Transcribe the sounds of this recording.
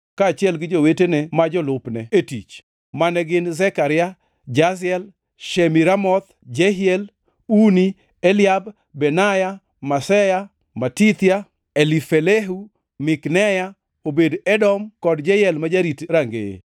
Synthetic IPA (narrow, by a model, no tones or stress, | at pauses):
kaːt͡ʃɪɛlɡɪd͡ʒowetenemad͡ʒɔlʊpnɛetit͡ʃ | manɛɡɪnzɛkaɾɪa | d͡ʒasɛl | ʃemiɾamɔt̪ | d͡ʒɛɦɪɛl | uni | elɪjab | bɛnaja | masɛja | matit̪ɪja | elifeleɦu | mɪknɛja | obedɛdɔmkɔdd͡ʒɛjɛlmad͡ʒaɾitɾaŋɡḛ